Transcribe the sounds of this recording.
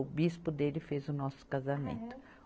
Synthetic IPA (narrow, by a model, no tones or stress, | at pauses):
ʊbispʊd̪elɪfezʊnɔsʊ̥kazamḛ̃nt̪ʊ̥